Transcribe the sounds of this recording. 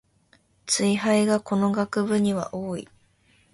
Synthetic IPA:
t͡sɨiɦaiɡako̞no̞ɡakɯ̟bɯ̟ɲ̟iβa̰ʔoːḭ

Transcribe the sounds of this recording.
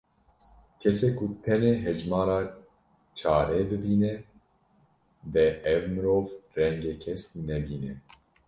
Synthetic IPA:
kʰɛseːkʰut̪ʰɛneɦɛd͡ʒmɑːɾɑː | t͡ʃʰaːɾɛbɨbiːnɛ | d̪ɛʔɛvmɨɾoːvrɛŋɡeːkʰɛsnɛbiːnɛ

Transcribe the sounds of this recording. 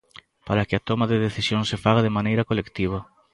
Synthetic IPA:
paɾakɪat̪omaðeðeθisjoŋsefaɣaðɪmanejɾɐkolekt̪iβ̞ɐ

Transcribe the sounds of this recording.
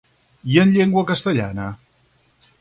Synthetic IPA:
iənʎeŋɡwəkəst̪əʎanə

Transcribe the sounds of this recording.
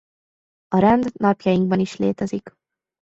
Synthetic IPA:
ɒɾɛnd̪nɒpjɒjiŋɡ̚bɒniʃleːt̪ɛzik

